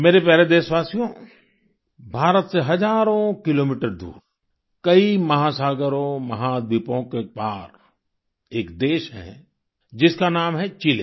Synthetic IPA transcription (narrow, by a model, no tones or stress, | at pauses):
meːɾepɛːɾed̪eːʃʋaːsijõ | bʱaːɾət̪seɦɐd͡ʒaːɾõkɪloːmiːʈəɾd̪ṵːɾ | kɐimɐɦasaːɡəɾõmɐɦad̪̚bʱɪpõkepaːɾ | eːkd̪eːʃɦɛ̰̃ | d͡ʒɪskanaːmɦɛt͡ʃileː